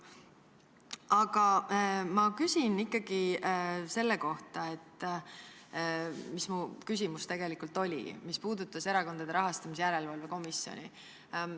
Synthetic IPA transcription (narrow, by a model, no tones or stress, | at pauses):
ɑɡ̥ɑmɑkysʲinikˑːɑɡ̥ise̞lːe̞ko̞ht̪ɑe̞t̪ː | mismukys̬ʲimust̪e̞ɡ̥e̞likult̪ːo̞lʲḭmispuːd̪̥ut̪ːˑɑse̞ɾɑko̞nd̪ɑd̪e̞ɾɑɦɑst̪ɑmisjæɾe̞lvɑlve̞ko̞misːjo̞̰nʲi